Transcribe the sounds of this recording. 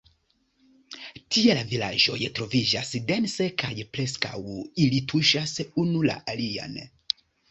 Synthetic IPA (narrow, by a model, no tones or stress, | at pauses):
tielavila̰ʒo̞̰jtɾo̞vid͡ʒasde̞nse̞kʰajpɾe̞ska̰wilitʰuʃasunula̰ʔalia̰n